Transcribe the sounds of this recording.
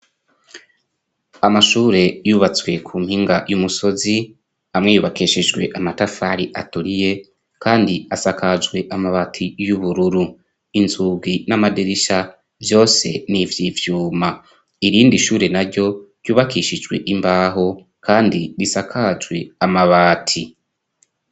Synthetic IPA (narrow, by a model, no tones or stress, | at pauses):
amaʃuːɾe̞juːβat͡swe̞kʰuːmhiːŋɡajumuso̞zi | amŋejuːβakiʃid͡ʒɡwe̞̰ʔamatafaɾiʔa̰tuɾije̞ | kʰaːndiasakad͡ʒɡwe̞ʔamaβatʰijuβuɾuɾu | inzuːɡwinamadiɾiʃa | vjo̞ːse̞̰nivjivjuːma | iɾiːndiʃuːɾe̞naɾɟo̞ɾ̥juːβakiːʃid͡ʒɡwe̞̰ʔimbaːɦo̞ | kaːndiɾisakʰad͡ʒwe̞amaβaːtʰi